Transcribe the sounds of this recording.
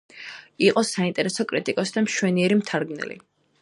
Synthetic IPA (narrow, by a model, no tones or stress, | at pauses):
iqʼɔsaint̪ʼɛɾɛsɔkʼɾit̪ʼikʼɔsd̪amʃwɛniɛɾimt̪ʰaɾɡnɛ̰lḭ